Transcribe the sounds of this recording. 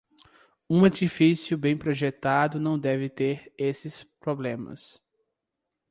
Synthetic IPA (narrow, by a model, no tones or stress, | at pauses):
ũaɾt͡ʃifisiʊbẽj̃pɾoʒet̪ad̪ʊnɐ̃w̃d̪ɛvɪt̪eɾesɪspɾoblẽmɐ̰s